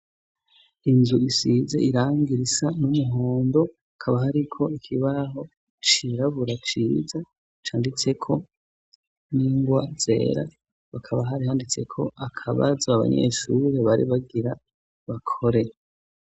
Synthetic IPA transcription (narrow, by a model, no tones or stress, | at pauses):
inzuisize̞̰ʔiɾaːŋɡiɾisanumuɦoːndo̞ | akʰaβaɦaɾikʰo̞ikʰiβaɦo̞ | t͡ʃiɾaβuɾat͡ʃiːza | t͡ʃaːndit͡se̞kʰo̞ | niŋɡwaze̞̰ːɾa̰ | βakʰaβaɦaɾihaːndit͡se̞̰kʰo̞̰ʔakʰaβa̰zaaβa̰ɲḛʃuɾe̞βaɾḭβaɡiɾa | βakʰo̞ɾe̞